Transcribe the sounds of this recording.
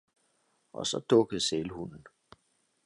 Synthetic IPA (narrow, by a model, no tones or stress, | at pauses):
ʔɒ̽sɒ̽d̥ɔɡ̥ð̩ˠselhunn̩